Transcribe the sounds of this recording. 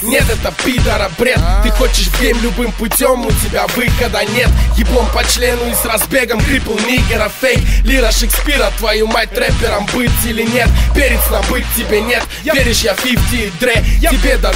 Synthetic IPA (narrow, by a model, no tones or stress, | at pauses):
nʲe̞t̪ɛt̪əpʲit̪əɾɐbɾʲet̪t̪ɨxot͡ɕɪʂfsʲemlʲʊbɨmpʊtʲomʊtʲɪbʲavɨxɐd̪anʲe̞t̪ɡʲɪplˠompɐt͡ɕlʲe̞nʊɪsrɐzbʲeɡəmkɾʲiplˠnʲiɡʲɪɾəfʲejlʲiɾəʂɨksʲpʲiɾət̪vɐjumat̚ʲt̪ɾɛpʲɪɾəmbɨt̪ʲilʲɪnʲe̞t̪pʲeɾʲɪt̪snabɨt̚ʲtʲːɪbʲenʲe̞t̪̚ | eɾʲɪʂjafʲiftʲid̪ɾɛaɪbʲed̪ɐ